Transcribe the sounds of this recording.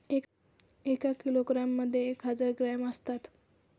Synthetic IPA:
e | ekakiloɡɾamːəd̪ʱːjeːkɦəd͡zəɾɡɾɛməst̪at̪

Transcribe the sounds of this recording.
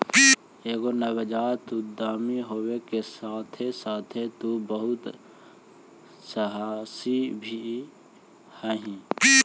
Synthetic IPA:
eːɡonəbəd͡ʒaːɾt̪ud̪aːmiɦoːwekesaːt̪ʰesaːt̪ʰet̪ubəɦʊt̪ | səɦaːsibʱi | hɛːɦĩ

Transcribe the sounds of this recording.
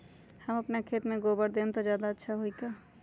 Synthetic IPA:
həməpnakʰet̪meɡobəɽd̪ent̪ɔd͡ʒjad̪aətːʃʰaɦojka

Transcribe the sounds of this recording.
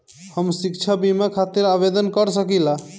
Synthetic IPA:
həmsikt͡ʃʰabimakʰat̪iɾabed̪ənkəɾsəkila

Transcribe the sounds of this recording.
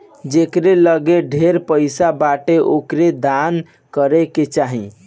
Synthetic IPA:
d͡ʒekɾeləɡeɖʱeɾpəɪsabaʈeʔokɾed̪an | kəɾɛket͡ʃaɦĩ

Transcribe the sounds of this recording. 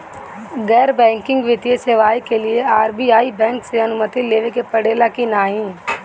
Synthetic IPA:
ɡɛːɾbɛ̃ːŋkɪ̃ŋɡʋɪt̪ijeseʋaːikelieaːɾbiaːibɛ̃ːŋkseɐnʊmət̪ileːʋekepɐɽeːlakinaːɦĩː

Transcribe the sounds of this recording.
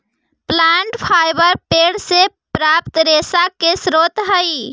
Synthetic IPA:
plaɳʈpʰajbəɾpeɽse | pɾap̚t̪ɾesakesɾot̪ɦəj

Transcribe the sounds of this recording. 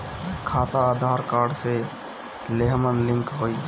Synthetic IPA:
kʰaːt̪aaːd̪ʱaːɾkaːɾɖse | leɦmənlɪ̃ŋkɦoːi

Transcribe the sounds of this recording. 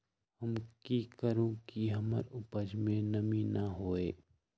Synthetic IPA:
hɐmkikəɾõkiɦɐmə̰ɾʊpəd͡ʒmẽnɐminɐɦoːeː

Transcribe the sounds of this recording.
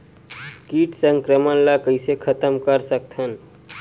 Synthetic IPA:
kiʈsəŋkɾəmənlakəɪsekʰət̪əmkəɾsək̚t̪ʰən

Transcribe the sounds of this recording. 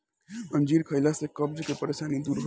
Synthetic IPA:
ənd͡ʒiɾkʰəɪlasẽkʌbd͡ʒkepəɾesanid̪uɾɦo

